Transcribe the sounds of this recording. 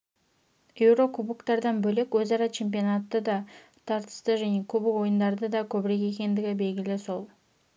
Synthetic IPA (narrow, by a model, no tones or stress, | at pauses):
evɾo̞kubɨkt̪ɑɾd̪ɑnbɵlekɵzɑɾɑt͡ʃʰe̞mpionat̪ːəd̪ɑ | t̪ʰɑɾt̪ə̥ʃst̪ɯʒanekʰubɪo̞jʊnd̪ɑɾd̪əd̪ɑkɵβɪɾeke̞kʲe̞nd̪ɪɡʲɪbe̞lɡʲɪlɪsolˠ